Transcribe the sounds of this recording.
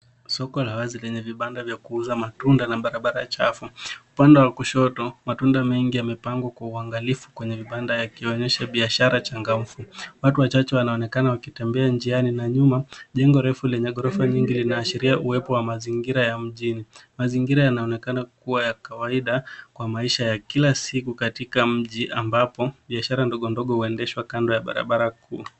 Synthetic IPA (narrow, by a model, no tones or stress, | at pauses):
sɔkɔlawazilɛɲɛviɓandavjakuuzamatundanaɓaɾaɓaɾat͡ʃafuupandɛwakuʃɔtɔmatundamɛŋɡijamɛpaŋɡwakwauaŋɡalifu̥kwɛɲɛviɓandajakiɔɲɛʃaɓiaʃaɾat͡ʃaŋɡam̩fuwatuwat͡ʃat͡ʃɛwanaɔnɛkanawakitɛmbɛand͡ʒianinaɲumaʄɛŋɡɔɾɛfulɛɲɛɠɔɾɔfaɲiŋɡilinaːʃiɾiaʔuwɛpɔwamaziŋɡiɾajam̩ʄinimaziŋɡiɾajanaɔnɛkanakuwajakawaiɗakwamaiʃajakilasikukatikam̩ʄiʔambapɔɓiaʃaɾandɔɠɔndɔɠɔhuɛndɛʃwakandɔjaɓa̰ɾa̰ɓaɾakuː